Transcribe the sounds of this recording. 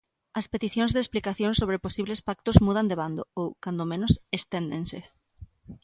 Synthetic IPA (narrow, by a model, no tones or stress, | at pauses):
ɐspet̪iθjõŋzðesplikaθjoŋsoβ̞ɾeposiβlespak̚t̪ozmuð̞and̪eβand̪oowkand̪omẽnʊsest̪end̪ḛŋsḛ